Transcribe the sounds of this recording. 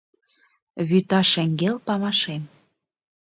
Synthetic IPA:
βyt̪ɑʃæŋɡelpɑmɑʃem

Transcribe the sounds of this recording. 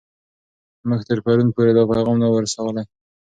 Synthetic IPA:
məxt̪əɾpaɾunpoɾed̪ɑpajɣɑmnawəɾsawəlaj

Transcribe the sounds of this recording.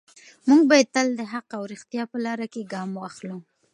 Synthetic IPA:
muŋɡ̚bɑjad̪̚t̪əld̪əɦaqawɾɪxt̪ijɑpəlɑɾakeɡɑmwaxlu

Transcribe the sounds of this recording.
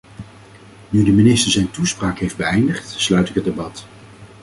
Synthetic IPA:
nydəminɪstəɹzɛjntuspraːkɦejfd̚bəɛjndəχtslœɥtɪkɦətdebɑt

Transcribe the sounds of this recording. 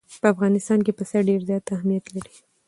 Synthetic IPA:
pəafɣɑnɪst̪ɑnkepəsaɾɖeɾzjɑt̪ahmijat̪laɾi̥

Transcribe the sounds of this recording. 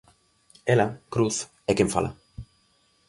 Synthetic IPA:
elakɾuθ | ekeɱfa̰lʔa̰

